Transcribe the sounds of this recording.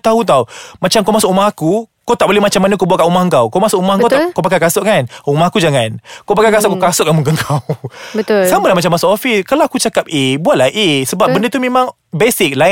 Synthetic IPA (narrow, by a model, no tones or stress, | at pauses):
t̪aɦut̪̬awmat͡ʃamkawmasʊkumahakukowt̪aʔbolɛmat͡ʃamːanəkobuaʔkaʔumahəŋkawkawmasʊkumahŋkkawt̪akawpakakasʊʔkanumahakud͡ʒaŋankawpakakasʊʔkakasʊʔkanmuŋkəŋkʰawbət̪ʊlsamalamat͡ʃamːasʊkɔfiskalawakut͡ʃakap̚ebuaʔ̚lahʔesəbap̚bəndət̪umẽmãŋ | besik̚la